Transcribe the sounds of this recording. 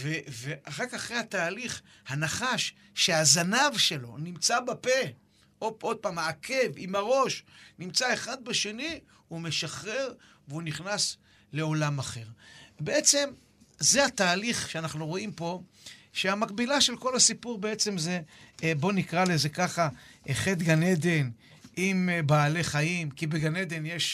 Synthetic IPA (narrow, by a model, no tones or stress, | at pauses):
veveʔaχakaχʁehat̪aːliχ | hanaχaʃː | e̞azanavʃe̞lo̞̰nimt͡sabape̞ | oo̞d̪̚paːmaːkʰe̞vimaʁo̞ʃnimt͡saeχad̪̚beʃe̞ni | ume̞ʃaχʁe̞ʁ | veuniχnas | le̞o̞lamaχe̞ʁbe̞e̞t͡se̞m | zehat̪aːliχʃeanaχnuʁo̞impo̞ | ʃeamakbilaʃe̞lko̞lasipuʁbee̞t͡se̞mzebo̞nikʁale̞ze̞kaχaeχet̪ɡane̞d̪e̞n | ʔimbaːle̞χajimkibeɡane̞d̪e̞nje̞ʃ